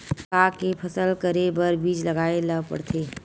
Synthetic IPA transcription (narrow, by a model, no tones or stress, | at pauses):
akepʰəsəlkəɾebəɾbiːd͡ʒləɡaːeləpə̰ɽt̪ʰeː